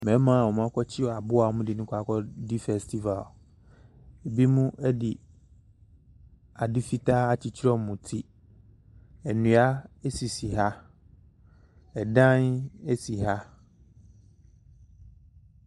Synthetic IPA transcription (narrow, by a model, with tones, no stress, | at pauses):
mɛ̃˨˦mã˦˨wɔ˨m˦ã˦kʰɔ˦t͡ɕʰɪ˦ɔ˨a˨bʊ˦a˨˦mʊ̃˦dɪ˨nʊ̃˦kʷʰa˦kʰɔ˦di˦fɛ˨stʰi˦va˨l | e˨bi˦mũ˦ʔɛ˦dɪ˨ | a˨dɪ˦fi˦tʰa˦a˨t͡ɕʰi˨t͡ɕʰɪ˦ɾɔ˦˨mũ˨tʰi˦ | ɛ˨nũ˨a˦ɛ˦si˨si˨ɦa˦ | ɛ˨dã˦nɛ˦si˨ɦa˦